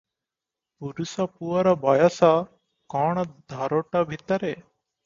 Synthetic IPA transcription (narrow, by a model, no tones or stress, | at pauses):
puɾusapuaɾɔbajasa | kɔɳ̃d̪ʱaɾoʈabʱit̪əɾe